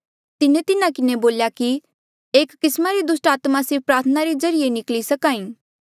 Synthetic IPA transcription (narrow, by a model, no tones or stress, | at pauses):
t̪ɪnet̪ɪnãkɪneboːljaki | eːkːɪsmaɾid̪ʊsʈaːt̪masɪɾp̚ʰpɾaːɾt̪ʰənaɾizɐɾɪenɪklisɐkaːĩː